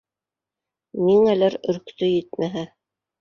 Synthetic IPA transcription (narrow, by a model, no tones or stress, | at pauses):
niŋælæɾɵ̆ɾkt̪ɵjɘt̪̚mæɦæ